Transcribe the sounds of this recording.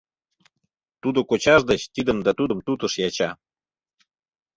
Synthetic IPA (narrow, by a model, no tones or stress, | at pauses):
t̪ud̪okot͡ɕɑʒd̪ət͡ɕt̪id̪ə̆md̪ɑt̪ud̪ə̆mt̪ut̪ə̆ʃjɑt͡ɕɑ